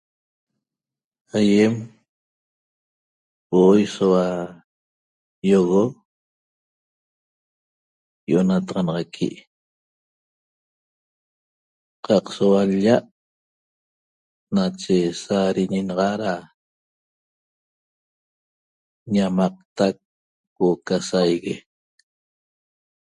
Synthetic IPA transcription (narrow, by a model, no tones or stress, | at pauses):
ajem | woʔojsowa | joɣo | joʔonat̪ɑʁɑnɑʁɑkʰḭʔ | qɑqsowaʎaʔ | nat͡ʃesaɾiɲinɑʁɑɾa | ɲamɑq̚t̪ak̚ː | okasajɣe